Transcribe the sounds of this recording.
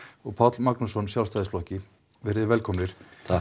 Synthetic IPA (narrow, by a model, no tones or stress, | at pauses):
ɔɣpʰat̪lmaknusɔnsjawlst̪aːjðɪsflɔhcɪ | vɛɾðɪvɛlkʰɔmnɪɾ̥